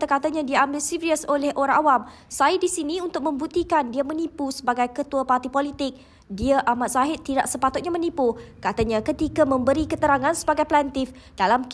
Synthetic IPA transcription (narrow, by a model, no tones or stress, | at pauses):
t̪əkat̪aɲãdiaambɪlsiɾiəsolɛhʔoɾãŋʔawam | sajidisinĩunt̪ʊk̚mə̃mbut̪ikandiamənipusəbaɡajkət̪uapart̪ipolit̪ɪk̚ | diaʔamat̪̚saɦɪt̪̚ːida̰ʔsəpat̪ʊt̪̚ɲamə̃nipukat̪aɲãkət̪ikamə̃mbəɾikət̪əɾaŋãnsəbaɡajplɛnt̪ɪf | d̥alamk